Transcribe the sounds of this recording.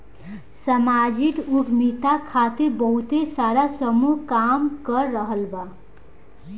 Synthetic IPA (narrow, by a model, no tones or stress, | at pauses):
səmad͡ʒiʈupmit̪akʰat̪iɾbʌɦut̪esaɾasəmuɦkamkʌɾːəɦəlba